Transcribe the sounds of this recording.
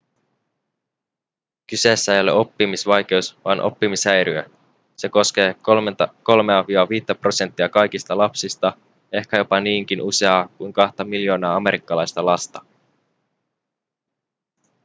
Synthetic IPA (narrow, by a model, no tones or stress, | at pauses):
kyse̞ːsːæe̞jo̞le̞̰o̞pːimisʋɑjk̟e̞usʋɑːnʔo̰pːimisæjɾyø | se̞ko̞ske̞ːko̞lme̞ɑʋiɑʋiːt̪ːæpro̞se̞nt̪ːiɑkɑjkist̪ɑlɑpsist̪ɑ | e̞hkæjo̞pɑniːŋk̟inʔuse̞ɑːkujŋkɑht̪ɑmiljo̞ːnɑːɑme̞ɾikːɑlɑjst̪ɑlɑst̪ɑ